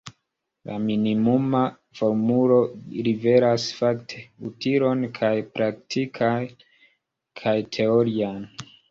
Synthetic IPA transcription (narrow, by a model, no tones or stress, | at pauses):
lʔa̰minimuma | foɾmulo̞ɾive̞ɾasfaktʰe̞utiɾo̞nkʰajpɾak̚tʰikʰaj | kʰajtʰe̞oɾian